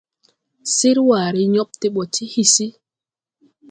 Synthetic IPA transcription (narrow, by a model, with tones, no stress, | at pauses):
si˦ɾwaː˨ɾi˦ɲo˦ɓti˦ɓɔ˨tʰi˦hisi˦